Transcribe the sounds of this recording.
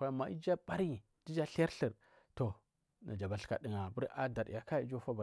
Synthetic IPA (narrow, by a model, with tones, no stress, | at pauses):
a˦˨ma˨ḭ˦d͡ʒa˦ba˦ɾi˦˨ | di˦d͡ʒa˦ɬɾɬi˨ɾ | to˨ | nʔa̰˨d͡ʒa˨ba˨ɬka̰˨di˦˨ŋa˨bu˦ɾʔa˦da˨ɾ̰ja˨ka˦i˦d͡ʒo˦fa˦ba˨